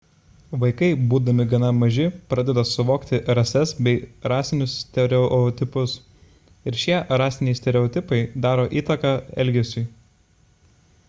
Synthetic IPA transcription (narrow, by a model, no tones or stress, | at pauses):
ʋɐɪkɐɪbuːd̪ɐmʲɪɡɐnɐmɐʒʲɪpɾɑd̪ʲɛd̪ɐsʊʋoːkt̪ʲɪɾɐsʲɛsbʲɛɪɾɑːsʲɪnʲʊssʲt̪ʲɛɾʲɛɔt̪ʲɪpʊs | ɪɾʃʲiɛɾɑːsʲɪnʲɛɪsʲt̪ʲɛɾʲɛɔːt̪ʲɪpɐɪd̪ɑːɾoːʔiːt̪ɐkɑːɛ̰lʲɡʲɛsʲuː